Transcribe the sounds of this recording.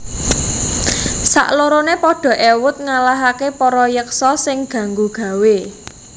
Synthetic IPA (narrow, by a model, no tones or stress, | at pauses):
sa̰ʔloɾonepɔɖ̥ɔ̤ʔewʊt̪̚ŋalaɦakepɔɾɔjəksɔsɪŋɡ̥ä̤ŋɡuɡ̥ä̤we